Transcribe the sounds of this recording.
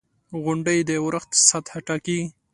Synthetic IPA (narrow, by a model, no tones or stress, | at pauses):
ɣʊɳɖəjd̪əwɾəxt̪sat̪haʈɑki